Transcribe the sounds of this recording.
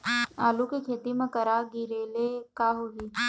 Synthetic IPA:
aːlukikʰeːt̪imẽkɐɾaɡiɾeːlekaːɦoːɡiː

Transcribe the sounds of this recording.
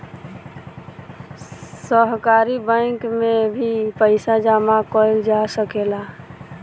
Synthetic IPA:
səɦkaːɾibə̃kmẽbʱipəɪsad͡ʒaːmakoɪld͡ʒasəkeːla

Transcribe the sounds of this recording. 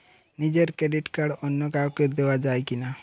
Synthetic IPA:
nid͡ʒeɾkɾeɖiʈkaɽɔnːjɔkawked̪ewad͡ʒaːekina

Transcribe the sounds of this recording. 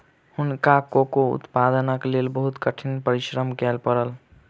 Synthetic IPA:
hunkakokoṵt̪pad̪ənəklelbəɦut̪kəʈʰinpəɾiʃɾəmkɛlpəɾəl

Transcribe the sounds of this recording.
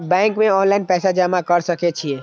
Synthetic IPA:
bɛ̃ŋkmẽɔnlaɪnpɛːsad͡ʒamakəɾsəket͡ʃʰie

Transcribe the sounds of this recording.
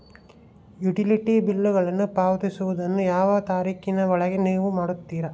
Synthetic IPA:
juʈiliʈibilːuɣɐɭɐnːupaːʋɐt̪isuʋud̪ɐnːujaːʋɐt̪aːɾiːkinɐʋɔɭɐɡeneːʋumaːɽut̪ːiːɾɐ

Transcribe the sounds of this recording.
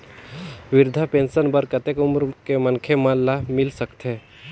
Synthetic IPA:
ʋɪɾd̪ʱapẽːnʃənbəɾkət̪ekʊmɾkemənkʰemãllamɪlsəkt̪ɦe

